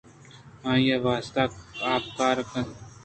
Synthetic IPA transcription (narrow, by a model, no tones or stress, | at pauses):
ɦãːjaʋaːst̪akaːp̚kaːɾɐkʰən